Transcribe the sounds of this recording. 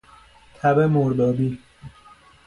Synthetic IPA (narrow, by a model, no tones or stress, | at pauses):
t̪ʰæbemoɾd̪ɒːbiː